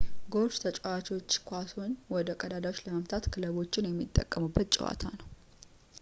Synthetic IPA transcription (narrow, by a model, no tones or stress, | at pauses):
ɡo̞ɾt͡ʃt̪ʰət͡ʃʼɛwat͡ʃwot͡ʃːkʷasonwɔd̪əkʼəd̪ad̪awot͡ʃːləməmt̪ʰat̪kʰɨləβo̞t͡ʃːɪnjɛmːit̪ʼːə̰kʼːəmubːət̪̚t͡ʃʼɪ̰wa̰t̪ʰanəw